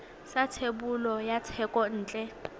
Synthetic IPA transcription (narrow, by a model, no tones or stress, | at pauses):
satʰebulɔjatʰɛkʼɔn̩ːt͡ɬʼɛ